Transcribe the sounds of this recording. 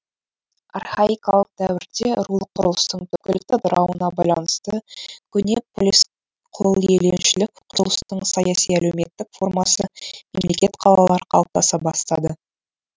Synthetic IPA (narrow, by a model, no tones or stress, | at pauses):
ɑ̰rχaikɑlˠəq̚d̪æwɪɾd̪e̞ɾulˠəqʰːʊɾəlˠəst̪əɴt̪ʰʏkʲɪlɪk̚t̪ɪd̪ʊɾɑwənɑbɑjlˠɑnəst̪əkʲʰʏne | qʰolˠjelenʃɪlɪkʲqʰʊɾəlˠəst̪əɴsɑjɑsijæle̞wme̞t̪ːɪkfo̞rmɑsəme̞mle̞kʲe̞t̪qʰɑlˠɑlˠɑɾqʰɑlˠəp̚t̪ɑsɑbɑst̪ɑd̪ə